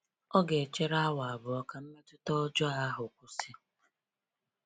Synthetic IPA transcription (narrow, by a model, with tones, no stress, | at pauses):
ɔ˦ɡe˨t͡ʃe˦ɾa˦wa˨a˨bʊ˨ɔ˦ka˨m̩˦me˦tʊ˦tɔ˦ɔ˦d͡ʒɔ˦a˦ɦʊ˨kʷu˨si˦